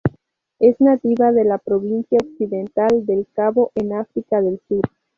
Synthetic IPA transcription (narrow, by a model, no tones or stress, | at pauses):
e̞znat̪iβaðe̞lapɾo̞βinsjaoksiðe̞nt̪ald̪e̞lkaβo̞ʔenafɾikaðe̞lsuɾ